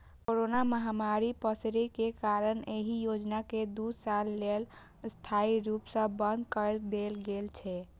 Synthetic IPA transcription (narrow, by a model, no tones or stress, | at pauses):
koɾonaməɦamaɾipəsɾikekaɾəneɦijod͡ʒnaked̪usalːel | st̪ʰaiɾupsə̃bənd̪kəɾd̪elɡelt͡ʃʰɛ